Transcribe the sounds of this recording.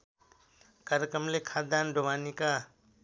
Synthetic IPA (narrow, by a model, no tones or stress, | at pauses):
kaɾekɾəmlekʰaːt̪d̪aːnɖʱoʋanika